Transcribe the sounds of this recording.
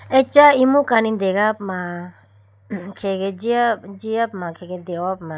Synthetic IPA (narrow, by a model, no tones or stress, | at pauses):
ɛt͡ʃaimũkanind̪eɡapma | kʰeɡed͡ʒiad͡ʒiapmãkʰeɡed̪ewapmã